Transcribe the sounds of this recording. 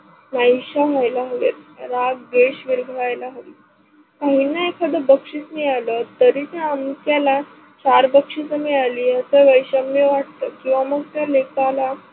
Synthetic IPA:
najɕaɦajlaɦʋḛt̪ɾaɡɡeɕʋiɾɡʱʋajlaɦəʋi | kaɦinːaekʰad̪əbəkʂit͡smialət̪əɾit̪jaəmk̪jala | t͡ɕaɾbəkʂisəmialiːəsəʋəjɕəmjeʋaʈ̚t̪əːkĩw̃ʋaməɡ̚t̪jalekala

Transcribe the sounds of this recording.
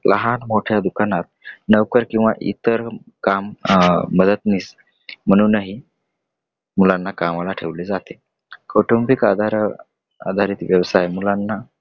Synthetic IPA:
lʔə̰ɦanmoʈʰjad̪ukanat̪̚nəʋkəɾkĩw̃ʋa̰ʔḭt̪əɾ | kamː | əd̪ət̪niːs | m̤əɽ̃uːnaɦi | mulanːakamalaʈʰeʋled͡zat̪e | kʰoʈompikad̪ʱaɾ | a̰d̪ʱaɾiːt̪ʋjəʋsajmulanːa

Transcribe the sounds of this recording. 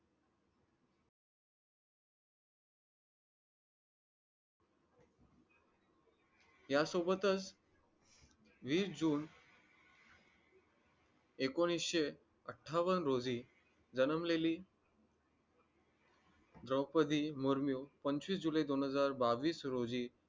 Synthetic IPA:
jasobət̪ət͡s | ʋiːsd͡ʑuːn | ekoɽ̃isɕe | əʈʰːaʋənɾod͡ziː | d͡zənəmleliː | d̪ɾəwpəd̪ʱiːmuɾmjuːpəɲt͡ɕʋiːsd͡ʑulajid̪onɦəd͡zaɾbaʋiːsɾod͡ziː

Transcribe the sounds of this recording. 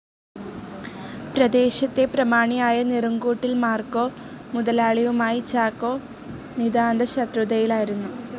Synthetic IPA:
prɐd̪e̞ːɕɐt̪ːe̞prɐmaːɳijaːjɐniruŋɡuːʈːilmaːrko̞ː | muðɐlaːɭiʋumaːjit͡ɕaːkːo̞ː | nid̪aːnd̪ɐɕɐt̪ruðɐjilaːjiɾunːu

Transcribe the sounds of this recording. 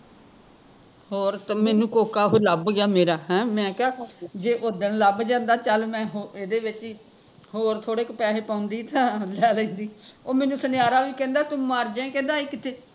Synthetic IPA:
hoːɾt̪ːmɛːnũːkoːkaːɦoːləbɡɪjaːmeːɾaːɦɛ̃ːmɛ̃ːkaːd͡ʒeːʔʊd̪əɳləbd͡ʒãːnd̪aːt͡ʃəlmɛ̃ːɦoeːd̪eːʋɪt͡ʃ | hoːɾt̪ʰoːɽeːkpɛːɦeːpãːʊnd̪iːt̪ãːlɛːlɛ̃ːnd̪iːoːmɛːnũːsənɪjaːɾaːʋiːkɛ̃ːnd̪aːt̪ʊmaːɾd͡ʒɛ̃ːkɛ̃ːnd̪aːɪkːɪt̪ʰeː

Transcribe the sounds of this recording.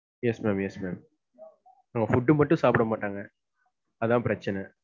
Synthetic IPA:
jɛsmeːmjɛsmeːm | naːŋɡɐfʊɖːɯmɐʈːũsaːpɪɽɐmaːʈːaːŋɡɐ | ɐðãːpɪɾɐt͡ʃːɐnɛ

